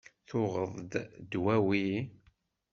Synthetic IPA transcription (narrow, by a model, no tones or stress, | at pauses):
θʊʁəðˤd̪d̪wæwi